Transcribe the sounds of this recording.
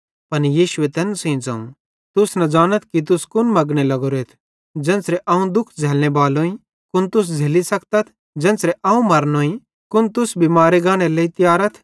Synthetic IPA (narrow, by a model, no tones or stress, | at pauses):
pɐnjiːʃʊet̪ɛːnsẽĩd͡zɐːṵ̃ | t̪ʊsnɐ̃d͡ʒaːñət̪̚ʰkit̪̬ʊskʊnmɐɡɽ̃elɐɡoɾeːt̪ʰ | d͡ʒɛ̃ːnsɾɛʔɐːũd̪ʊkʰd͡zʱɛːlñebaːlõĩ | kʊnt̪ʊs̬d͡zʱeːlisɐkt̪ɐt̪ʰ | d͡ʒɛ̃ːnsɾeʔaːũmɐɾnoːĩ | kʊnt̪ʊsbʱimaːɾeɡãːɽ̃eleit̪ɪjaːɾət̪ʰ